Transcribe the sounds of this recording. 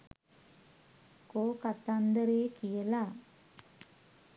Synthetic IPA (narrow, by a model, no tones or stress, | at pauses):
koːkat̪and̪əɾeːkijɐla